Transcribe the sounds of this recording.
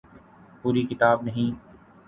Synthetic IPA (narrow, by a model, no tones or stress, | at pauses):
puːɾikɪt̪aːbnɐɦĩː